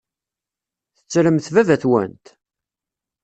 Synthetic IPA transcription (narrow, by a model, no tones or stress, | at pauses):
θə̥t͡sːɾəmθvævæθwæ̰nt̪